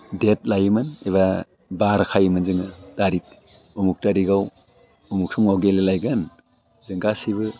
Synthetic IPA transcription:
det̚lajɯmɯneβa | baɾkʰajɯmɯnzɯŋɯtaɾik̚ | uŋuk̚taɾiɡaw | uŋuk̚sʰuŋawɡelelajɡan | zɯŋɡasiβɯ

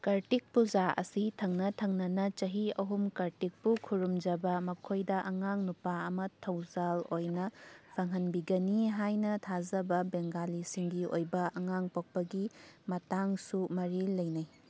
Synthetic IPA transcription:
kɐɾtik̚pud͡ʒaʔɐ̰sitʰɐŋnɐtʰɐŋnɐnɐt͡ʃɐɦiɐɦumkɐɾtik̚pukʰuɾumd͡ʒɐbɐmɐkʰojdɐʔɐŋaŋnupaɐmɐtʰɐwzalojnɐpʰɐŋɦɐnbiɡɐniɦajnɐtʰazɐbɐbeŋɡalisiŋɡio̰jbɐʔɐŋaŋpok̚pɐɡimɐtaŋsumɐɾilɐjnɐj

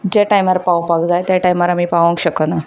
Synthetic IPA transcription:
d͡ʑeʈajmaɾapawpaɡd͡zajt̪jaʈajmaɾamiːpaʋə̃ŋkɕəkəna

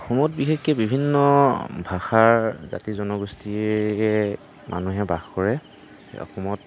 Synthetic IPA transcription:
xɔmɔtbixekːɛbibʱinːɔbʱaxaɹza̰tizɔnɔɡustiɛ | mʔa̰nuɦɛbaxkɔɹɛ̰ | ɔ̰xɔmɔt

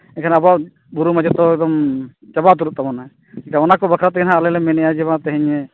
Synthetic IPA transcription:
ɛkʰanabaʔ | buɾumad͡ʒɔt̪ɔɛɡ̚d̪ɔm | t͡ʃabat̪̬uɾut̪abɔna | ɛkʰaɔnakɔbakʰɾat̪ɛkʰɛnɦãalɛlɛmɛnɛjad͡ʒɛbat̪ɛɦɛɲɛ

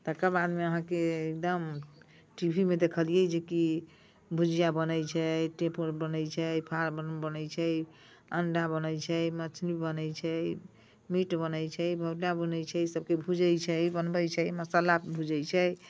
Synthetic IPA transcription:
t̪əkəbad̪meəɦãkeek̚d̪əm | ʈibʱimed̪ekʰəlijɛd͡ʒeki | bʱud͡ʒijabənəjt͡ʃʰɛʈepoɾbənəjt͡ʃʰɛpʰaɾbənbənəjt͡ʃʰɛj | ənɖabənəjt͡ʃʰɛjmət͡ʃʰnibənəjt͡ʃʰɛ | miʈbənəjt͡ʃʰɛjbʱəɖabənəjt͡ʃʰɛsəb̚kebʱud͡ʒəjt͡ʃʰɛbənbəjt͡ʃʰɛjməsəlabʱud͡ʒəjt͡ʃʰɛ

